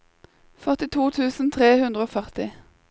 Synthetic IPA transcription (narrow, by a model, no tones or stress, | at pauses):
fœʁt̪ɪt̪ʰuːt̪ʰʉːsn̩t̪ʰʁeːhʉnd̪ʁəoːfœʁt̪ɪ